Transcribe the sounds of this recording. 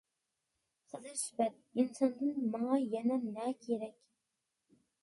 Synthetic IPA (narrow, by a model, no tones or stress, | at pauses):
χɨzɨɾʃbɛt̪̚insɑnd̪ɨnmɑŋɑjɛnɛnɛkʲʰeɾɛkʲ